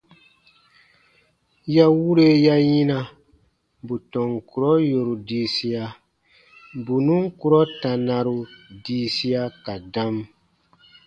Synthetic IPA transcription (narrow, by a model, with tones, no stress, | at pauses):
ja˦wu˦ɾe˦ja˦ji˦na˨ | bu˨tɔ˨ŋku˨ɾɔ˦jo˨ɾu˨diː˦si˦a˦ | bu˨nũ˦ŋ˦ku˦ɾɔ˦ta˨na˨ɾu˨diː˦si˦a˦ka˨dã˦m